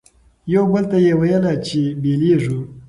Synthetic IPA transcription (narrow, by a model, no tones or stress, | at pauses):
jawbəlt̪ajewajəlat͡ʃebeleʐu